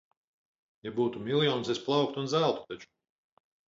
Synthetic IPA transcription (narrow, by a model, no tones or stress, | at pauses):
jabuːt̪umʲilʲˠjɔːnsesplˠɑwk̚t̪unzælˠt̪u̥t̪at͡ʃu̥